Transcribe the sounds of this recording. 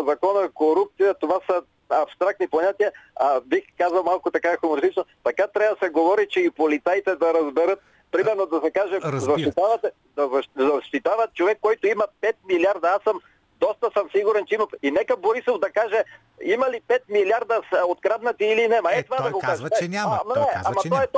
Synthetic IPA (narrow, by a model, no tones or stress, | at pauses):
ɐzɐkɔnɐkoɾup̚t̪sijɐt̪ovasɐ | ɐpst̪ɾak̚t̪nipoɲat̪iɐabixkazɐlˠmalˠkʊt̪ɐkaixʊmoɾist̪it͡ʃnot̪ɐkat̪ɾʲaəd̪sɛɡovɔɾit͡ʃɛipolit̪sajt̪ɛd̪ɐɾɐzbɛɾɤt̪̚ | pɾimɛɾnod̪ɐsɛkaʒɛzɐʃt̪it̪avɐt̪ɛ | d̪ɐzɐʃzɐʃt̪it̪avɐt̪t͡ʃovɛkːɔjt̪oimɐpɛt̪̚miliaɾd̪ɐasəm | d̪ɔst̪ɐsəmsiɡuɾɛnt͡ʃɛimɐinɛkɐboɾisovd̪ɐkaʒɛ | imɐlipɛt̪miljaɾd̪ɐsod̪ɡɾad̪nɐt̪iːlinɛmɐɛt̪ovad̪ɐɡokaʒɛmnɛamɐt̪ɔɛt̪